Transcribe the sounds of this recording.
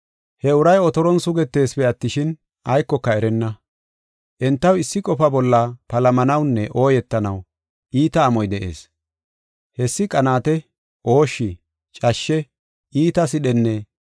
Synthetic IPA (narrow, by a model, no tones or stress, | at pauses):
hɛʊɾɐjɔt̪ɔɾɔnsʊɡɛt̪ːe̞ːspɛɐt̪ːɪʃɪn | ɐjkːɔkːɐɛɾɛnːɐ | ʔɛnt̪ːɐwɪsːɪkʼɔfɐbɔlːɐpɐlɐmɐnɐwnːɛʔo̞ːjɛt̪ːɐnɐw | ʔiːt̪ɐːmɔjd̪ɛʔḛːs | hɛsːɪkʼɐnaːt̪ɛ | ʔo̞ːʃːɪ | t͡ʃʼɐʃːɛ | iːt̪ɐs̬ɪɗɛnːɛ